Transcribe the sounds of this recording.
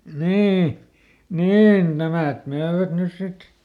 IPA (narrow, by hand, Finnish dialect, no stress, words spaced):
niː niːn næmæˑt møːʋæt nys sit